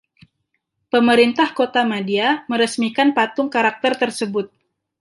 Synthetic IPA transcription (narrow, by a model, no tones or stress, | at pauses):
pəməɾint̪ahkot̪amadiaməɾəsmikanpat̪ʊŋkaɾak̚t̪ərt̪ərsəbʊt̪̚